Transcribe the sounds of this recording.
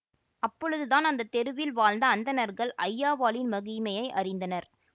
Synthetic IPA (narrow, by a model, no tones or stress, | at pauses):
ɐpːɔɻɯðɯðaːnɐnd̪ɐt̪ːɛɾɯʋɪlʋaːlnd̪ɐːnd̪ɐnɐɾɣɐɭʔɐjːaːʋaːlɪnmɐɣimɐjɐɪʔɐrɪnd̪ɐnɐɾ